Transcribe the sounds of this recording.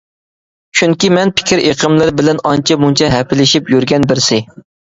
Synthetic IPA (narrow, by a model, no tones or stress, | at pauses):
t͡ʃʰyŋkʲimɛnpʰɪ̥kʲʰɪɾʔeqʰəmlˠɨɾbɪlɛnɑnt͡ʃʰɛmunt͡ʃʰɛɦɛpʰɪlɪʃipjyɾɡʲɛnbɪɾsɪ